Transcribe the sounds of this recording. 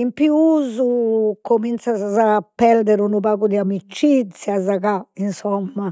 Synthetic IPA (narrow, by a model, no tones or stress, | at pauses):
impiuuːzukomint̪sazazapːɛɾd̪ɛɾunupaːɣud̪iamit͡ʃːit̪sːjazaɣainsɔmːa